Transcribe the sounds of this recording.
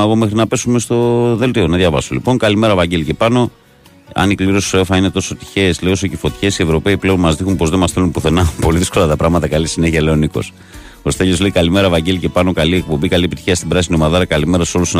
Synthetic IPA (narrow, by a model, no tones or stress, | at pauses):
ɣome̞xɾinɐpe̞sume̞st̪o̞ðe̞lt̪io̞nɐðʝɐvɐ̰so̰lḭpo̞ŋkalime̞ɾɐvɐɲɟe̞lice̞pɐno̞ | ɐ̰nikliɾossoefɐine̞t̪o̞so̞t̪i̥çe̞sleiosocefo̞t̪i̥çe̞sie̞vɾo̞peiple̞onmɐzðixunpo̞zðemɐsθelunpuθe̞nɐpo̞liðisko̞lɐt̪ɐpɾɐɣmɐt̪ɐkalisine̞çiɐle̞oniko̞̰s | ost̪eʎosle̞ikalime̞ɾɐevɐɲɟelice̞pɐno̞kaliek̚po̞mbikaliepit̪i̥çiɐst̪ibɾɐsinio̞mɐðɐɾɐkalime̞ɾɐso̞luson